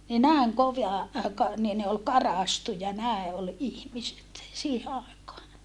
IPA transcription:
ni næˑeŋ koʋɑ kɑ niː ne ol kɑrɑˑstujɑ næˑe ʔol ihmiset siːhe ɑˑekɑː

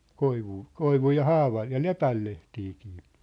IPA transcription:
koiʋuː koiʋuj jɑ hɑːʋɑj jɑ lepæl lehtiːki̥ː

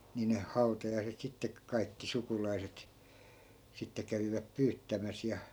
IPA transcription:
nin hɑu̞tɑjɑiset sitːek kɑikːi sukulɑiset sitːe kæʋiʋæp pyːtːæmæs jɑ

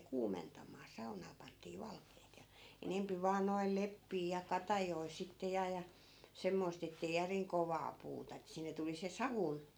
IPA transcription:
kuːmentɑmˑɑː sɑunɑː pɑntˑiː ʋɑlkeːt jɑ enempi ʋɑːn noi̯l lepːiː jɑ kɑtɑjoi sitːe jɑ jɑ semːoist etːei jæriŋ koʋɑː puːtɑ etːæ̆ sinːe tuli se sɑʋun

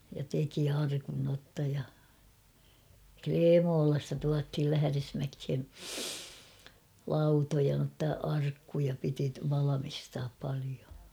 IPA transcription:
jɑ teki ɑrkun notːɑ jɑ kleːmoːlɑstɑ tuɑthil læhæ̆resmækhe lɑutojɑ notːɑ ɑrkːujɑ piti ʋɑlɑmistɑːp pɑlio

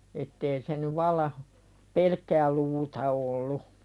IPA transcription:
etːeː se ny ʋɑlːɑ pelkːæː luːtɑ olːu

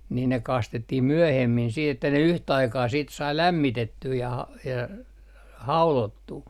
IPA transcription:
niː ne kɑstetːih myøhemːin siːt etːæ ne yhtæ ɑikɑː siːt sɑi læmːitetːyː jɑ hɑ jɑ hɑulotːuː

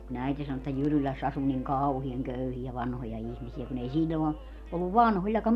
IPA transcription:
kun æiti sɑno etːæ jyrylæsː ɑsu niŋ kɑuhiɑŋ køyhiæ ʋɑnhojɑ ihmisiæ kun ei silʲːon o olːuʋ ʋɑnholʲːɑkɑm

